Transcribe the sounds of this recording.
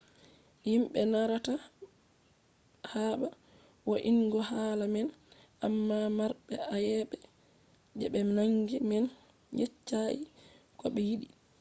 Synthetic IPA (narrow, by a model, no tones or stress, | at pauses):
jimɓɛnaɾata | haɓa | woʔiŋɡɔhalamɛn | ʔamːamaɾɓɛʔajɛɓɛ | d͡ʒɛɓɛnaŋɡimɛn | jet͡ʃːaʔi | kɔɓɛjiɗi